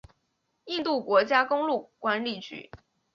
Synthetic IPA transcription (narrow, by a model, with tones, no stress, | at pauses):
i˥˧nt̪u˥˩kwɔ˧˥t͡ɕja˥kʊ˥ŋlu˥˩kwa˥nli˥˩t͡ɕy̰˧˥